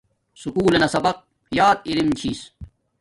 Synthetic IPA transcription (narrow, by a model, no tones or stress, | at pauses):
sukuːlenɐsɐbɐq̚ | jaːt̪̚ilimt͡ɕʰiːs